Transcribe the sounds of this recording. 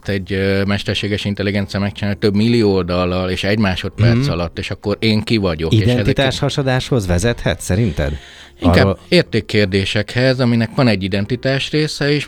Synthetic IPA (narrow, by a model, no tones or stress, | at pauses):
t̪ɛɟmɛʃt̪ɛrʃeːɡɛʃint̪ɛliɡɛnt̪sijɒmɛk̚t͡ʃinaːlt̪ːøbmilːijoold̪ɒlːɒleːʃɛɟmaːʃo̞t̪̚pɛrt̪sɒlɒt̪ːeːʃɒkːo̞ɾeːŋkivɒɟo̞kieːɛʃnɛzit̪aːʃhɒʃod̪aːʃho̞zʋɛzɛt̪hɛ̰t̪sɛɾint̪ɛ̰d̪ | iŋkaːeːrt̪eːkːeːrd̪eːʃɛkhɛzɒminɛkʋɒnɛɟːid̪ɛnt̪it̪aːʃreːsɛeːʃ